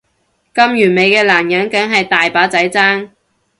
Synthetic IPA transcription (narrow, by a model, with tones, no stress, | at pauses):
kɐ˥mjyː˨˩nme˨˧jkɛː˧laː˨˩njɐ˨˥nkɐ˨˥ŋɦɐ˨jt̪aː˨jpaː˨˥t͡sɐ˨˥jt͡saː˥ŋ